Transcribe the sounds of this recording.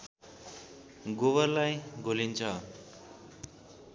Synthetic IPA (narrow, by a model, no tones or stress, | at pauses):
ɡoβʌrlajɡʱolint͡sʰʌ